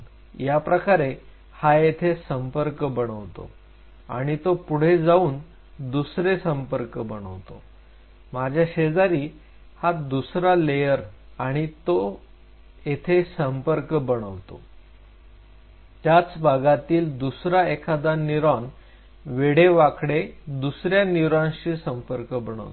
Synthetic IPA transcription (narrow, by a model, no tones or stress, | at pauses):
japɾəkaɾe | hajet̪ʰesəmpəɾkəbəɽ̃əʋt̪o̰ | aɽ̃it̪opuɽ̤ed͡zauːn | d̪usɾesəmpəɾkbəɽ̃ə̰ʋt̪o̰ | mad͡ʑʱjaɕed͡zaɾiː | had̪usɾalejəɾaɽ̃it̪o | jet̪ʰesəmpəɾkəbəɽ̃əʋt̪o̰ | t̪jat͡sbʱaɡat̪iːld̪usɾaekʰad̪aniɾan | ʋeɽ̤eʋakɽed̪usɾjaniɾãɕisəmpəɾkəbəɽ̃ə̰ʋt̪